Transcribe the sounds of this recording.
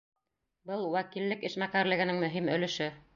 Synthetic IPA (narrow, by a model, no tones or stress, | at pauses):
bɤlˠwækilːɘkɘ̆ʃmæqæɘ̆ɾlɘ̆ɡɘ̆nɘŋmɵ̆ɦimɵ̆lɵ̆ʃɵ